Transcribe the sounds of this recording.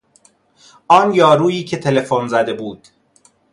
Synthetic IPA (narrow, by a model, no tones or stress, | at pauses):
ʔɒːnjɒːɾuːjiːcʰet̪ʰele̞fonzæd̪e̞buːd̪̥